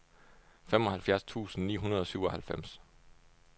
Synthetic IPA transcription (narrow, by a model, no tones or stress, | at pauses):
femɒ̽hælfjæɐst͡sʰṵːsn̩nḭːɦunɐð̞ˠɒ̽syʊɒ̽hælfem̰s